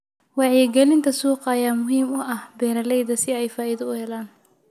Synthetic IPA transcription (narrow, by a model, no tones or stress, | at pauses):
wɑʕjɛɡɛlɪnt̪ʰɐsuːqɑːjaːmʊɦiːmʊʔɐhbɛːɾɐlɛjðɐsɪɛjfaːʔɪðɐʊhɛlaːn